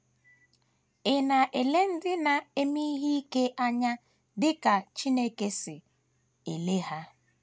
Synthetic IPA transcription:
ɪ˨na˨ʔe˨le˦n̩˦dɪ˦na˨e˦mi˦ɦi˦i˦ke˦ʔa˦ɲa˦ | dɪ˦ka˨t͡ʃi˦ne˦ke˦sɪ˨ | e˨le˦ɦa˦

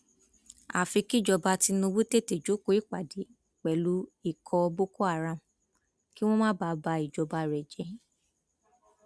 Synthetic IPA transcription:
a˨fi˧ki˦˨d͡ʒɔ˧ba˧ti˧nũ˧wu˦te˦˨te˨d͡ʒo˨˦ko˦i˦k͡pa˨di˨˦ | k͡pɛ˨lu˨˦i˦˨kʰɔ˧bo˦ko˦a˦˨ɾã˧˨ | ki˦w̃ɔ̃˦mãː˦ba˧ba˧i˨d͡ʒɔ˧ba˧ɾɛ˨d͡ʒɛ˨˦

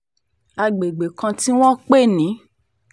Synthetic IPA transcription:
a˧ɡ͡be˨ɡ͡be˨kã˧ti˦w̃ɔ̃˦k͡pe˦˨nĩ˨˦

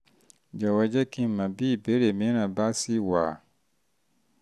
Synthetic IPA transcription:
d͡ʒa˨wa˨d͡ʒɛ˦kĩ˦mã˨biː˦˨be˨˦ɾe˨mɛ̃˦ɾã˨ba˦si˦waː˨

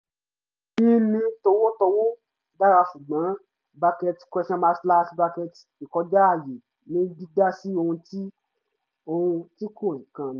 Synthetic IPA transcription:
nĩ˦nĩ˧to˧wo˦to˧wo˦ | da˦ɾa˧ʃu˨ɡ͡bã˨˦ | ba˧kɛ˧ti̥˨kʷɛ˧ʃɔ̃˧mã˧si˧˦la˦˧si˦ba˧kɛ˧ti˨kɔ˧˦d͡ʒa˦a˦˨je˨ | nĩ˨˦di˦da˦si˦o˧hũ˧ti˦ | o˧hũ˧ti˦kõ˦˨ĩ˨kã˧˨n˨˦

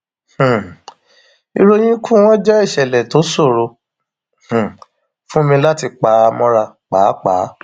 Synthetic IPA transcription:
h̩˨ | ḭ˧ɾo˧j̃ĩ˦kʰũ˦w̃ɔ̃˦d͡ʒɛ˦i˦˨ʃɛ˨lɛ˨to˨˦so˦˨ɾo˧ | h̩˨ | fũ˦mĩ˧la˦ti˧k͡pa˨˦˧mɔ̃˦ɾa˧k͡pa˨˦k͡pa̰˨˦

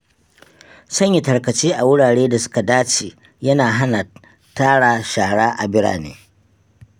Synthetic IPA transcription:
sɐ˦ɲja˨tɐ˨rkɐ˨t͡ʃiː˦ʔa˨wʊ˦ɽaː˨ɽeː˦da˨sʊ̥˦ka˨daː˦t͡ʃeː˨ | jɐ˦naː˨ɦa˦na˨ | taː˦ɽaː˨ʃaː˨hɽaː˦ʔa˨bɪ˦ɽa̰ː˨nḛː˦

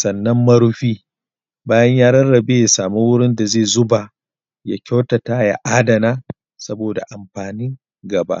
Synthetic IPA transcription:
sɐ˨nːɐ˦mːɐ˦ɽʊ˦ɸiː˦ | baː˦jɐ˦ɲjaː˦ɾɐ˦nːɐ˨be˦ja˨saː˨mu˦wʊ˦ɽɪ˦nda˨zeː˦˨zʊ˦ba˨ | ja˨kʲa˦wtɐ˨taː˦ja̰˦ʔaː˦dɐ˨naː˦ | sɐ˦boː˨da̰˨ʔa˨mɸaː˨nɪ˦ŋ | ɡɐ˨ba̰˦ʔ

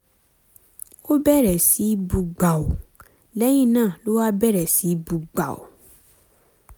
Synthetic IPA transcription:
o˦bɛ˦˨ɾɛ˨si˨˦bu˧ɡ͡ba˨o˨ | lɛ˦j̃ĩ˦˨nãː˦˨lo˦wa˦bɛ˦˨ɾɛ˨si˨˦bu˨ɡ͡ba̰˨o̰˨

